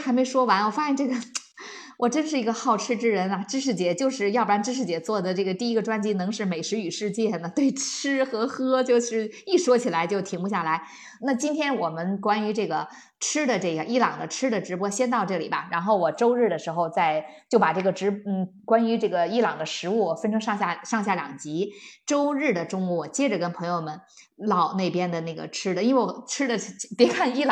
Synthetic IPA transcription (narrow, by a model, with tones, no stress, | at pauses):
xa˧˥ɪme˧˥ɪʂwɔ˥wa˧˥nwɔ˨˩fa˥ɕjɛ˥˧nʈ͡ʂɤ˥˩ɡə˩ | wʔɔ˨˩ʈ͡ʂə˥nʂ̬ɻ̩˥˩i˧˥ɡə˧xɑ˥˩ʊʈ͡ʂʰɻ̩˥ʈ͡ʂɻ̩˥ɻə˧˥nɐ˧ʈ͡ʂɻ̩˥ʂ̬ɻ̩˥˩t͡ɕjɛ˧˥t͡ɕjo˥˧ʊʂɻ̩˥˧jɑ˥˩pa˥˩nʈ͡ʂɻ̩˥ʂɻ̩˥˩t͡ɕjɛ˧˥t͡swɔ˥˩d̪ə˩ʈ͡ʂɤ˥˩ɡə˩t̪i˥˩i˥ɡə˧ʈ͡ʂwa˥nt͡ɕi˥nɤ˧˥ŋʂɻ̩˥˩me˨˩ɪʂɻ̩˧˥y˨˩ʂɻ̩˥˧t͡ɕjɛ˥˩nə˩t̪we˥˩ɪʈ͡ʂ̩ʰ˥xɤ˧˥xɤ˥t͡ɕjo˥˧ʊʂɻ̩˥˧ | i˥˩ʂwɔ˥t͡ɕʰi˨˩la˧˥ɪt͡ɕjo˥˩ʊt̪ʰi˧˥ŋpu˧ɕja˥˩la˧˥ɪ | na˥˩t͡ɕi˥nt̪ʰjɛ˥nwɔ˨˩mə˦nkwa˥ny˧˥ʈ͡ʂɤ˥˩ɡə˩ | ʈ͡ʂʰɻ̩˥d̪ə˨ʈ͡ʂɤ˥˩ɡə˩ʔi˥˩lɑ˨˩ŋd̪ə˦ʈ͡ʂʰɻ̩˥d̪ə˨ʈ͡ʂɻ̩˧˥pwɔ˥ɕjɛ˥nt̪ɑ˥˧ʊʈ͡ʂɤ˥˩lḭ˨˩bɐ˦ɻa˧˥nxo˥˩ʊwɔ˨˩ʈ͡ʂo˥ʊɻɻ̩˥˩d̪ə˩ʂɻ̩˧˥xo˧ʊt͡sa˥˧ɪt͡ɕjo˥˩ʊpa˨˩ʈ͡ʂɤ˥˩ɡə˩ʈ͡ʂɻ̩˧˥n̩˥˩kwa˥ny˧˥ʈ͡ʂɤ˥˩ɡə˩i˥˩lɑ˨˩ŋd̪ə˦ʂɻ̩˧˥u˥˩wɔ˨˩fə˥nʈ͡ʂʰɤ˥ŋʂɑ˥˧ŋɕja˥˩ʂɑ˥˧ŋɕja˥˩ljɑ̰˨˩ŋt͡ɕi˧˥ʈ͡ʂo˥ʊɻɻ̩˥˩d̪ə˩ʈ͡ʂʊ˥ŋu˧˩wɔ˨˩t͡ɕjɛ˥ʈ͡ʂə˨˩kə˥npʰɤ˧˥ŋjo˧ʊmə˨n | lɑ˨˩ʊne˥˩ɪpjɛ˥nd̪ə˨na˥˩ɡə̰˩ʈ͡ʂʰɻ̩˥d̪ə˨i˥nwe˥˩ɪwɔ˨ɔ˨˩ʈ͡ʂʰɻ̩˥d̪ə˨˥p̪jɛ˧˥kʰa˥˧ni˥˩l